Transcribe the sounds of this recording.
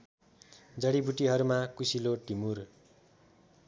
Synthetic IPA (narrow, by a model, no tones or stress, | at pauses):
d͡zʌɽibuʈiɦʌɾumakusiloʈimur